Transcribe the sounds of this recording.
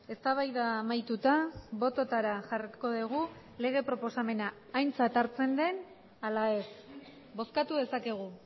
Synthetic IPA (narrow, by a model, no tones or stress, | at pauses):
e̞st̪aβajðaːmajt̪ut̪aβo̞t̪o̞t̪aɾaʝariko̞ðeɣ̞u | le̞ɣ̞e̞pɾo̞po̞same̞naː | jnt͡sat̪aɾt͡se̞nd̪e̞n | alae̞s | bo̞skat̪uðe̞sake̞ɣ̞u